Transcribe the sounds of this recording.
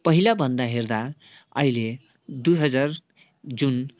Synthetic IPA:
pʌɦilabʱʌnd̪aɦerd̪a | ʌ̰ile | d̪ujɦʌd͡zar | d͡zun

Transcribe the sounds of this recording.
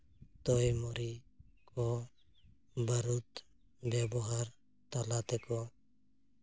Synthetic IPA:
t̪oːimɔɾi | kʰo | bəɾut̪ | bjabɔɦaɾ | t̪alaːt̪ɛko

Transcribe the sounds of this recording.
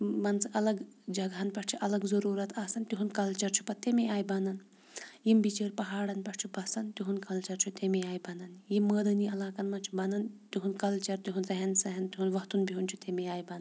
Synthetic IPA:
mɐnsʔɐlɐɡd͡ʒɐɡɦɐnpɐʈʰt͡ʃʰiʔɐlɐɡzɐɾuːɾɐt̪ʰaːsɐnt̪iɦunkɐlt͡ʃɐɾt͡ʃʰu̥pɐt̪emiaːjbɐnɐn | jimbit͡ʃeːɾʲpɐɦaːɽɐnpɐʈt͡ʃʰubɐsɐnt̪iɦunkɐlt͡ʃɐɾt͡ʃʰut̪emiaːjbɐnɐnjimːəːd̪ɐniɐlaːkɐnmɐnt͡ʃʰubɐnɐnt̪iɦunkɐlt͡ʃɐɾt̪iɦunzɐɦɐnsɐɦɐnt̪iɦunʋɐt̪unbʱiɦunt͡ʃʰut̪emiaːjbɐnɐn

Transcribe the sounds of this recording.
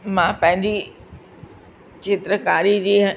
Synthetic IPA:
mãpɐ̃ɦɪ̃ɲd͡ʑi | t͡ɕeːt̪ɾəkaːɾid͡ʑeːɦ

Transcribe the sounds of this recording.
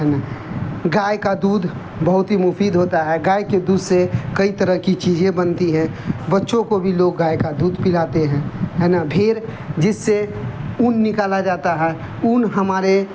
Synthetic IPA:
ɦɛnaɡaːjkad̪uːd̪ | bəɦʊt̪ɦimʊfiːd̪ɦoːt̪aɦɛɡaːjked̪uːd̪sekɐit̪əɾəɦkit͡ʃiːd͡ʒẽbənt̪iɦɛ̃bətːʃõkobʱiloːɡːaːekad̪uːd̪pɪlaːt̪eɦɛ̃ːɦɛːnabʰʱɪɾ | d͡ʒɪsːeunːɪkaːlad͡ʒaːt̪aɦɛ | unɦəmaːɾe

